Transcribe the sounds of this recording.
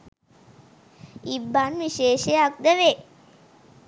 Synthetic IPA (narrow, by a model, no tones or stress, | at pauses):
ibːanʋiʃeːʃejak̚d̪əʋe